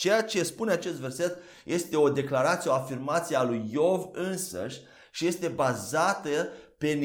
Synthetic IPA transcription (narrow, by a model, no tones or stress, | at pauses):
t͡ʃe̞jat͡ʃe̞spune̞at͡ʃe̞st̪ve̞rset̪ | jʔe̞st̪e̞o̞d̪e̞klaɾat̪sieo̞afirmat̪sijealujːo̞vɨnsə̰ʃʲ | ʃije̞st̪e̞bazat̪əpe̞n